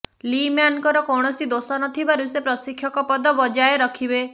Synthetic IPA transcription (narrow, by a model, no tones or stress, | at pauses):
limjankɔɾɔkɔɽ̃ɔsid̪osɔnɔt̪ʰibaɾusepɾɔsikʰjɔkɔpɔd̪ɔbɔd͡ʒajeɾɔkʰibe